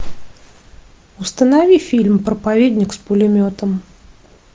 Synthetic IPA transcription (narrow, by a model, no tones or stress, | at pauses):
ʊst̪ənɐvʲifʲilʲmpɾəpɐvʲed̪ʲnʲɪkspʊlʲɪmʲot̪əm